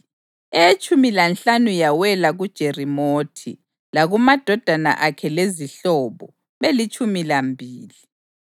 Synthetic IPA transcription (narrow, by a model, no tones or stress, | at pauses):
ɛt͡ʃʼumilanɬanujawɛlaɣud̥ʒ̥ʱerimoːtʰḭ | laɣumad̥ʱɔd̥ʱana̰ʔakʰɛleziɬɔːβɔ̰ | βelit͡ʃʼumilambʱiːli